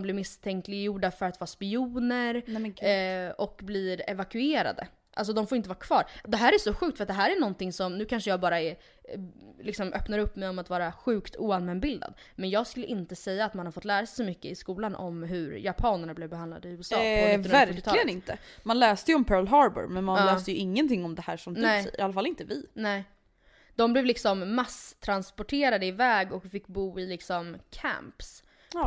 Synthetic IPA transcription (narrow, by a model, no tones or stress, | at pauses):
mblɪɾmɪst̪ʰɛŋklɪɡjuɖafœɾat̪vɑːspɪuːnəɾ | ɔkːbliːɾɛ̰vakɵeːɾa̰d̪ə̰ | ʔa̰ls̬ɔd̪ɔmfoɾɪnt̪əvɑːɾakʰv̥ɑːɾd̪ɛɦæːɾæsɔɧʉ̟ːkt̪fœɾat̪̚d̪ɛɦæːɾæɳɔnt̪ɪŋsɔmnʉ̟ːkʰanʂəjɑːɡbɑːɾaɛɾ | lɪksɔmʔœpnaɾɵpːmɛjɔmat̪vɑːɾaɧʉ̟ːkt̪ʰṵːanmɛnbɪld̪a̰d̪ | mɛnjɑːɡskɵlːəʔɪnt̪əsɛjːaːt̪manhaɾfɔt̪ːlæːɾasɛjsɔmʏkːəɪskuːlanʔɔ̰mɦɵɾjapʰɑːnəɳablɛvbɛhand̪la̰d̪ɪhʉ̟ːəsɑːnːvæɾːɪɑɪɡənɪnt̪ə | manlɛːst̪əjəɔmpʰœːɭɦɑɾbə̰ɾmɛnmanːlɛːst̪əjɵʔɪŋːənt̪ʰɪŋːɔmd̪ɛhæːʂɔmd̪ɛɛ̰alːafalɪnt̪əvɪnɛː | d̪ɔmblɛvlɪksɔmːast̪ʰɾanspɔʈʰeːɾad̪əɪvɛːɡɔkfɪkːbuːɪlɪksɔmkʰæ̰mps